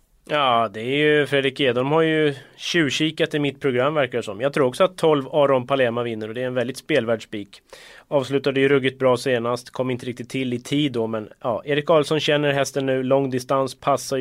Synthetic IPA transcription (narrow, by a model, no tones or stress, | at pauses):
jɑːd̪ɛæɾjɵfɾeːd̪ɾɪkeːd̪ɔnmhaɾjɵɕʉ̟ːɕiːkat̪ɪmɪt̪̚pʰɾʊɡɾamːvæɾkadʂɔmjɑːɡ̚t̪ʰɾuːɾɔksɔat̪ʰːɔlvɑːɾɔnpʰalɛːmavɪnːəɾɔd̪ɛːɾɛnvɛld̪ɪt̪speːlvæːɖʂbiːkɑːvslʉ̟ːt̪ad̪əjɵɾɵɡːɪt̪̚bɾɑːseːnast̪kʰɔmːɾɪnt̪əɾɪk̚t̪ɪt̪ʰːɪlɪt̪ʰiːd̪ːɔmɛnjɑːʔeːɾɪkːɑːlsɔnɕɛnːəɾɦɛst̪ənːʉ̟ːlɔŋːd̪ɪst̪anspʰasːa